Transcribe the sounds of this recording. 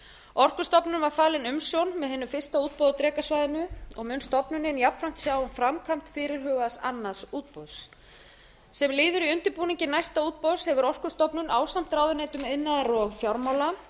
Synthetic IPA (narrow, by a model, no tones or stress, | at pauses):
ɔr̥kʏ̥st̪ɔpnʏnvaɾfaːlɪnʏmsjownmɛðɦɛnːʏfɪr̥st̪auːt̪̚powðat̪ɾɛːkasvaːjðɪnʏɔ̰ɣmʏnst̪ɔpnʏnɪnjapɾam̥t̪sjaːwnfɾamkʰam̥t̪fɪːɾɪɾ̥ɦœːɣasa̰nːaðsuːt̪̚pows | sɛmliːðʏɾiʏnt̪ɪɾpuːniɲcɪnajst̪auːt̪̚powshɛvʏɾɔr̥kʏ̥st̪ɔpnʏnʔaːwsam̥t̪ɾaːwðʏneːjt̪ʏmɪnːaðaɾɔɣfjawɾmaːwla